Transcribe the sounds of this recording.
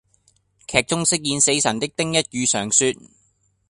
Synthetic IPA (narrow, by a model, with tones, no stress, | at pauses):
kʰɛː˨k̚t͡sʊ˥ŋsɪ˥k̚jiː˨˧nse˨˥jsɐ˨˩nt̪ɪ˥k̚t̪ɪ˥ŋjɐ˥t̚jyː˨˧sœː˨˩ŋsyː˧t̚